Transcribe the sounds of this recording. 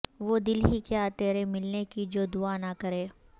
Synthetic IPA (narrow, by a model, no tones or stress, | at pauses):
ʋoːd̪ɪlɦikjaːt̪eːɾemɪlnekid͡ʒoːd̪ʊanakɐɾeː